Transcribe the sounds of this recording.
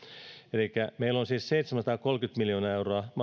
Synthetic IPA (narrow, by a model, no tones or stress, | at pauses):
elikːˑæmeilːonsiːsseit̪semæsɑt̪ɑːkolkyt̪miljoːnɑːewroɑmɑ